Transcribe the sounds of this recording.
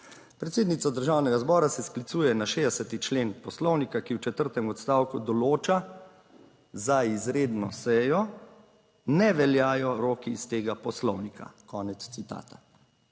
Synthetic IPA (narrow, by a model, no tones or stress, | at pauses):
pɾɛt̪seːd̪nit̪sɔd̪əɾʒaːwnɛɡazbɔːɾasɛsklit̪suːjɛnaʃeːd̪ɛsɛt̪it͡ʃleːnpɔslɔwnikakiwt͡ʃɛt̪əɾt̪ɛmɔt̪st̪aːwkud̪ɔloːt͡ʃa | zaizɾeːd̪nɔsɛjɔ | nɛʋɛljaːjɔɾoːkiːst̪eːɡapɔslɔwnika̰kɔːnɛt̪st̪sit̪a̰ːt̪a